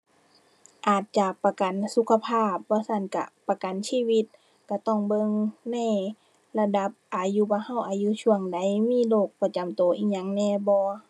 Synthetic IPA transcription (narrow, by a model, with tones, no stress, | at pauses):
ʔaː˨˩t̪̚t͡ɕa˧pa˧ka˨nsu˧˦kʰa˧pʰaː˧˥˩p̚bɔː˧˦sa˧˩˨nka̰˧˩pa˧ka˨nsiː˧˥˨wi˧˥t̪̚ | ka˧˩t̪ɔ˧˩˨ŋbɤ˧˨ŋna˧˥˩j | la˧da˧˦p̚ʔaː˨˩juː˧˦bɔː˧˦ha˧˩˨wʔaː˨˩juː˧˨sʰu˧˩əŋda˨˦jmiː˧˥˨loː˧˩k̚pa˧t͡ɕa˨˦mt̪oː˨˦ʔiː˧˥ɲa˧˦ŋnɛː˧˨bɔː˧˦